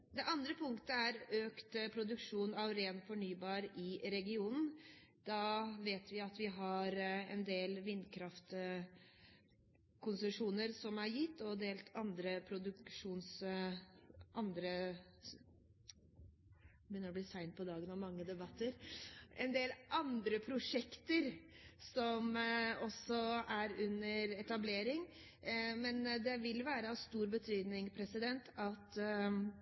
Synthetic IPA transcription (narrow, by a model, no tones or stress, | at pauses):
d̪ɛʔɑnd̪ɾəpʰʊŋkt̪əæɾøːkt̪pʰɾʊd̪ʉkʂuːnɑʋɾeːnfɔɳyːbɑːɾɪɾɛɡɪuːnn̩d̪̥ɑːʋeːt̪ʋɪɑt̪ʋɪɦɑɾɛnd̪eːlʋɪnd̪kʰɾɑft̪ | kʰʊnsəʂuːnəɾsɔmæɾjɪt̪ːɔd̪eːlt̪ʰɑnd̪ɾəpʰɾʊd̪ʉkʂuːns | ʔɑnd̪ɾə | bʏnəɾɔblɪsæɪnt̪̚pʰɔd̪ɑːɡənɑʋmɑŋːəd̪ɛbɑt̪ʰːəɾɛ̰nd̪eːlʔɑnd̪ɾəpʰɾʊʂɛkt̪əɾsɔmɔsɔæɾʉnːəɾɛt̪ɑbleːɾɪŋ | mɛnd̪ɛʋɪlʋæːɾəɑst̪uːɾbət̪ʰyːd̪nɪŋpʰɾɛsɪd̪ɛnt̪ʰɑt̪